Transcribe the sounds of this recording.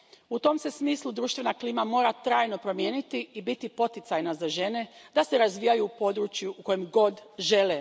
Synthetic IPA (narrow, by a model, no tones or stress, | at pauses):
ut̪o̞mse̞smiːslˠud̪ɾuːʃt̪ʋe̞nakliːmamo̞ːɾat̪ɾaːjno̞pɾo̞mjeːnit̪iibit̪ipo̞t̪it̪sajnazaʒe̞ne̞d̪ase̞ɾazʋijajupo̞d̪ɾut͡ʃjuʔuko̞jemɡo̞d̪ʒe̞le